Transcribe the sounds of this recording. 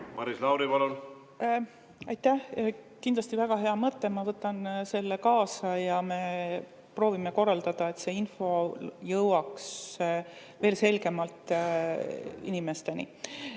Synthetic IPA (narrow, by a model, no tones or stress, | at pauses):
mɑɾislɑwɾivɑlol | ɑjt̪ːæhkind̥̪lɑst̪ivæɡ̥ɑɦe̞ɑmɤt̪ːe̞mɑvɤt̪ːˑɑnse̞lːekɑːsɑjɑme̞ | pro̞ːvime̞ko̞rːɑld̪̥ɑd̪̥ɑe̞t̪se̞ːinfo̞jɤwɑks | ve̞ːlse̞lɡe̞mɑlt̪ˑ | ḭnime̞st̪e̞nḭ